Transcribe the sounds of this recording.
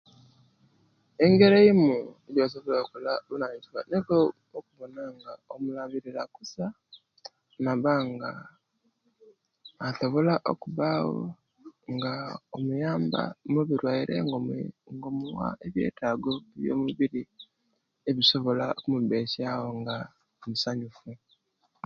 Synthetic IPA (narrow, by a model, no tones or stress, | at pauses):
e̞ŋɡeɾeimueɟos̬oβolekulaβunaɲd͡ʒiβa̰nekoː | kuβonaŋɡaomulaβiɾiɾakusa | naβaŋɡa | soβolaʔo̰kuβaɣo̰ | ŋɡaomujaːmba̰muβiɾwaiɾʔḛŋɡoŋɡomuwa̰ʔeβjḛːtaɡoβjo̰ːmuβiɾi | eβiso̞βolakumuβeːʃawoŋɡa | musaɲufu